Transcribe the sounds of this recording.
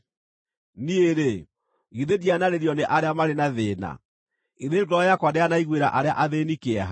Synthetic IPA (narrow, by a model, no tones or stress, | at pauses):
nieɾe | ɣiðedianaɾeɾjɔneʔaɾeamaɾenaðeːna̰ | iðeɡɔjakwadeanaiɣweɾaʔaɾea̰ʔaðenikeɛɦa